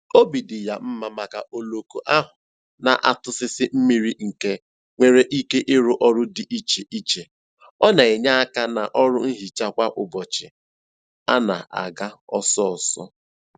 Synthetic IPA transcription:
o˦bi˨dɪ˨ja˨m̩˦ma˨ma˨ka˨ʔo˨lo˨ko˨ʔa˦ɦʊ˨ | na˨ʔa˨tʊ˦sɪ˦sɪ˦m̩˦mi˦ɾi˦ŋ̩˨ke˦ | ŋʷe˨ɾe˦ʔi˦ke˦ʔɪ˦ɾʊ˦ʔɔ˦ɾʊ˦dɪ˨ʔi˦t͡ʃe˨ʔi˦t͡ʃe˨ | ɔ˦na˨e˨ɲa˦a˦ka˦na˨ʔɔ˦ɾʊ˦n̩˦ɦi˨t͡ʃa˦kʷa˦ʔʊ˨bɔ˨t͡ʃɪ˨ | a̰˦na̰˨a̰˨ɡa˦ɔ˦sɔ˦ɔ˨sɔ̰˦

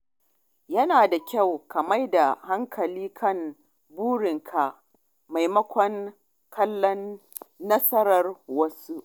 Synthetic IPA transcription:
jɐ˦naː˨da˨kʲa˦˨wkɐ˨ma˦jda˨ha˦ŋkʰɐ˨liː˦kʰɐ˦˨n | buː˦ɽɪ˨ŋkʰa˨ʔ | ma˨jmɐ˦kʷɔ˦ŋ | kʰɐ˦lːɔ˦nː | ɐ˦sɐ˦ɾɐ˨rwɐ˦su˦ʔ

